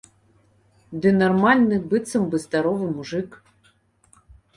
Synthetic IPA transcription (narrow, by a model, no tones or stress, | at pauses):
d̪ɨnɐrmalʲnɨbɨt̪sɨmbɨzd̪aɾɔvɨmuʐɨk